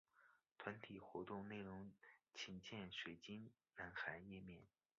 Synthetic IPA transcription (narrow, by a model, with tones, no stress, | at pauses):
t̪ʰwa˧˥nt̪ʰi˨˩xwɔ˧˥t̪ʊ˥˧ŋne˥˩ɪɻʊ˧˥ŋt͡ɕʰi˧˥ŋt͡ɕjɛ˥˩nʂwe˨˩ɪt͡ɕi˥n | na˧˥nxa˧˥ɪjɛ˥˧mjɛ˥˩n